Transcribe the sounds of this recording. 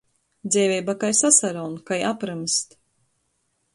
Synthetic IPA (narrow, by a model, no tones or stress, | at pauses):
d̪zʲɛjvʲɛjbakajsasaɾɔːnkajapɾɨmst̪